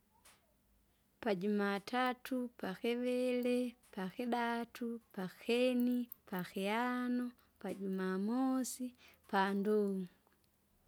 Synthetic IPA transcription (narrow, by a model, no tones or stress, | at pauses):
paɟumatatʰupaxɛʋɛlɛpaxɛɗatʰupaxɛnipaxɛanɔ | paɟumamɔsipandɔŋu